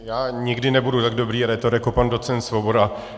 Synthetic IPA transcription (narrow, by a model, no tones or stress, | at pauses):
jaːɲɪɡdɪnɛbudut̪aɡdobɾiːɾɛt̪oɾjakopandot̪t͡sɛnt̪svobo̞da